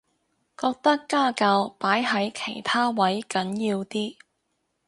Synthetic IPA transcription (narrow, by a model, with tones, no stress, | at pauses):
kɔː˧k̚t̪ɐ˥kːaː˥kaː˧wpaː˨˥jɦɐ˨˥jkʰe˨˩jt̪ʰaː˥wɐ˨˥jkɐ˨˥njiː˧wt̪iː˥